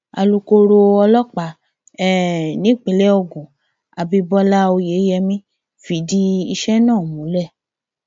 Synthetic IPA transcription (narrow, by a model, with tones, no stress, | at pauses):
a̰˧lu˧ko˧ɾo˧ɔ˧lɔ˦k͡pa˨˦ | ɛ˦˨nĩ˨˦˨k͡pe˨˦lɛ˦ɔ˧˨ɡũ˨ | a˨bi˧bɔ˦la˦o˧je˨˦jɛ˧mĩ˦ | fi˨˦di˦i˧ʃɛ˦nãː˦˨mũ˨˦lɛ˦˨